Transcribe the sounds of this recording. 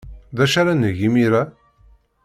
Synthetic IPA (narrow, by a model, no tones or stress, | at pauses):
ðæʃaɾanəʝimiɾæ